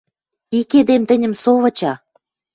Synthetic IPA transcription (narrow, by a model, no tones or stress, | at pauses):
iked̪emt̪ə̆nʲə̆msoβɤ̆t͡ɕɑ